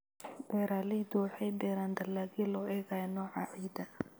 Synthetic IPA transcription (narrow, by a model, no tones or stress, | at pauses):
bɛːɾaːlɪd̪uħɛjdɛːɾaːnd̪ɐlaːɣilɔʔɛːɣaːjnɔːʕɑʕiːd̪ɐ